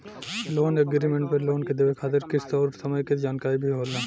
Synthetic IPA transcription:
loːnəɡɾiːmẽɳʈpɐɾloːnked̪eʋekʰaːt̪ɪɾkɪst̪ɔːɾsɐməjked͡ʒaːnkaːɾibʱiɦoːlaː

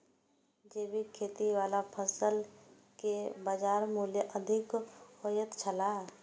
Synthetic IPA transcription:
d͡ʒeːbikʰeːt̪iʋaːlapʰəsəl | kebad͡ʒaːɾmuːljəʔəd̪ʱɪkojət̪t͡ʃʰəlaɦɛː

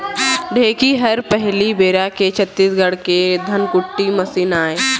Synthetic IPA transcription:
ɖʱeːkiɦəɾpəɦlibeːɾaket͡ʃʰət̪ːiːsɡəɽked̪ʱənkʊʈːiməsiːnaːe

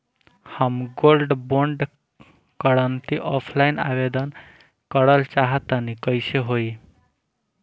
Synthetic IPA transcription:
həmɡolɖboɳɖ | kəɾənt̪iʔɔpʰlaina̰bed̪ən | kəɽəlt͡ʃaɦət̪ənikəɪseɦoi

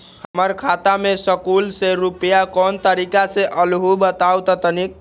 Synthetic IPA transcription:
həəməɾkʰat̪amesəkulseɾupəjakɔnt̪əɾikaseʔəlɦubət̪awt̪ət̪ənik̚

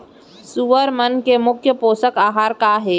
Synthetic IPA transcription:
suʋəɾmənkemʊkʰjəpoːsəkaːɦaːɾkaɦɛː

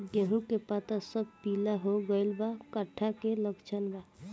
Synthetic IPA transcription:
ɡeɦũkepat̪asəb̚ʱpilaɦoɡəjlbakəʈʰːakeləɡt͡ʃʰənba

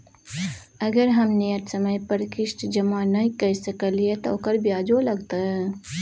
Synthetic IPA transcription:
əɡəɾɦɐmneəʈsəməjpəɾkɪʃʈd͡ʒəmanəikəsəkəliet̪okəɾbjaːd͡ʒolɐɡt̪aɦɛ

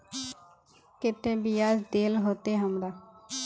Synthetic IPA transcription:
kɪt̪ːẽːbiːaːd͡ʒd̪eːlɦoːt̪eːɦəmd̪aː

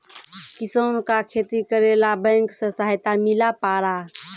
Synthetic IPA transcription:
kisonkakʰet̪ikəɾelabə̃ŋksə̃saɦjt̪amilapaɾa

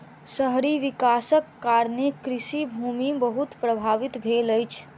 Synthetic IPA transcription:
səɦɾiʋikasəkːaɾnekɾisibʱumibəɦut̪pɾəbʱaʋit̪bʱeləjt͡ʃʰ

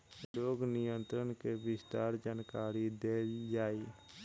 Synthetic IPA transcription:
loːɡnɪjənt̪ɾənkeʋɪst̪aːɾd͡ʒaːnkaːɾid̪eːld͡ʒaːi

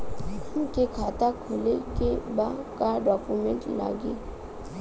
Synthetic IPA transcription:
ʊmkekʰaːt̪akʰʊlekebakaɖɔːkumẽɳʈla̰ːɡe

